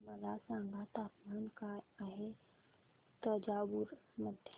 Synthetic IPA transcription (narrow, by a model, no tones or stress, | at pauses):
mɐdasãːŋɡat̪aːpmaːnkaɦe | t̪əd͡ʒaːbuɾməd̪ʱj